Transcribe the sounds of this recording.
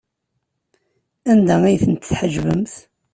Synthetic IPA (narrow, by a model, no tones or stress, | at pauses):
ænd̪æijθənt̪ːθħəʒvəmθ